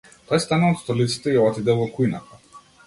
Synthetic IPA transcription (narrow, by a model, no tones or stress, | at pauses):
t̪ɔjst̪anuvaɔt̪st̪ɔlit̪si̥t̪ɛiɔvat̪id̪ɛlˠvɔkujnat̪a